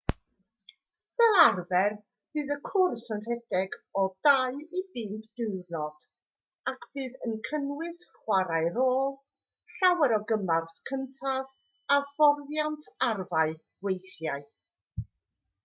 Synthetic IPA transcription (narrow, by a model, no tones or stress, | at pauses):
v̥ɛlˠarvɛr | b̥ɨːðəkʰʊrsənr̥ɛdɛɡɔdaɨibɨːndd̥ɪwrnɔd̥ | akʰb̥ɨːðənkʰənwɪsχwaɾaɨɾoːlˠ | ɬawɛɾɔɡəmarθkʰəntʰav | av̥ɔrðjantʰarvaɨ̥ | wejθjaɨ